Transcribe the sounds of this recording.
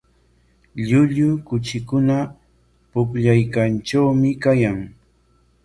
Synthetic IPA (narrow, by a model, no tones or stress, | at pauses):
ʎʊʎʊkʊt͡ʃɪkʊna | pʊkʎajkanʈ͡ʂawmɪkajaŋ